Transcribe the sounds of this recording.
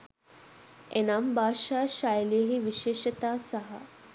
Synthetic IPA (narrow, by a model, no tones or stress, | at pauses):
enambʱaːʃaːʃajlijəɦiʋiʃeːʃɐt̪aːsɐɦɐ̰